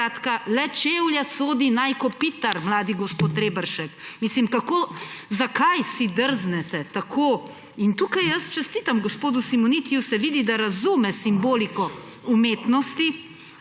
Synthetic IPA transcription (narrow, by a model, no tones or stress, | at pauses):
at̪kalɛt͡ʃewljasoːd̪inajkɔpit̪aɾmlaːd̪iɡɔspoːt̪ːɾeːbəɾʃɛkmislimkakoːzakajsid̪əɾznɛt̪ɛt̪akʰo | int̪uːkajjəst͡ʃɛst̪iːt̪amɡɔspoːd̪usimɔnit̪ijusɛʋiːd̪id̪aɾazumɛsimboːlikɔ | umeːt̪nɔst̪i